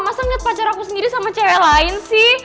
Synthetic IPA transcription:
masaŋiat̪̚pat͡ʃaɾakusəndiɾisamat͡ʃalaɪnsɪh

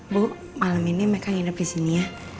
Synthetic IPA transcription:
bʊ | maləminimekaŋinəp̚disinija

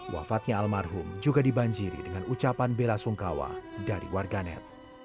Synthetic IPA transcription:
wa̰fat̪̚ɲaalmarɦʊmd͡ʒuɡadibaɲd͡ʒiɾḭdəŋanut͡ʃapanbelasuŋkawa̰daɾḭwarɡanɛ̰t̪̚

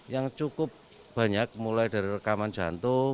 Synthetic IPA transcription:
jaŋt͡ʃukʊp̚ | b̥a̤ɲak̚mulajd̥a̤ɾirəkamand̥d͡ʒ̥a̰nt̪ʊ

